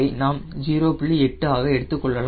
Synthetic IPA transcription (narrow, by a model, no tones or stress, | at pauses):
ɐɪnaːmd͡ʒiːɾoːpɪɭːiɛʈːɯaːɣɐɛɽɯt̪ːɯkːɔɭːɐla